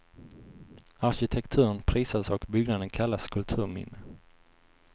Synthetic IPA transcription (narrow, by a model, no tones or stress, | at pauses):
aɾɕɪt̪ʰɛkt̪ʰʉ̟ːɾənpʰɾiːsasɔkbʏɡnad̪ənkʰalːaskʰɵlt̪ʰʉ̟ːɾmɪ̰nːə